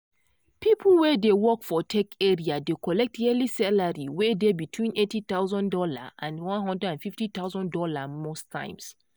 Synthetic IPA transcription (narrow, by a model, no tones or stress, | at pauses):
pʰipʰlˠwɛdewɔkfɔtʰɛkʰɛɹiadekɔlɛk̚tɛlisalaɹiwɛdebitʰwĩnetit̪aʊzɔ̃ndɔla̰ãnwɔ̃nɦɔ̃ndɹɛdãnfiftit̪aʊzɔ̃ndɔlamostʰã̰ɪ̃ms